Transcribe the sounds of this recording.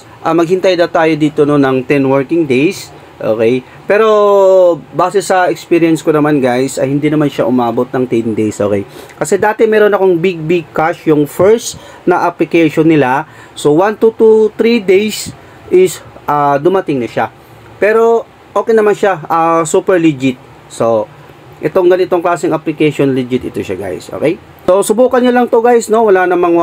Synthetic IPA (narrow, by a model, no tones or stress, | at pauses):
ʔɐmɐɡ̚hɪnt̪ɐjd̪at̪aːjod̪iːt̪ononɐŋt̪ɛnwɛɹkɪŋd̪ɛjs | ʔo̰ːkɛj | pɛːɾo̞ | baːsɛsɐɛkspiɾɪɛnskonɐmanɡajsɐjhɪnd̪inɐmanʃaʔʊmaːbo̞t̪̚nɐŋt̪ɛnd̪ejsʔo̰ːkɛ̰jkɐsɛd̪aːt̪ɛmɛːɾo̞nɐko̞ŋbɪɡ̚bɪɡ̚kaʃjʊŋfɛɹst̪ | nɐʔɐplɪkɛjʃonːɪla | sowant̪ut̪ut̪ɾid̪ɛjs | ʔɪsʔaːd̪ʊmɐt̪ɪŋnɐʃa | pɛːɾo̞ | ʔoːkɛjnɐmanʃaasuːpɛɹlid͡ʒɪt̪̚ | so̞ | ʔɛt̪o̞ŋɡɐnɪt̪o̞ŋklaːsɪŋɐplɪkɛjʃonlɪd͡ʒɪt̪ɪt̪oʃaɡa̰jsʔo̰ːkɛj | so̞sʊbuːkɐnɲolɐŋt̪oɡajsno̞wɐlaːnɐmɐŋ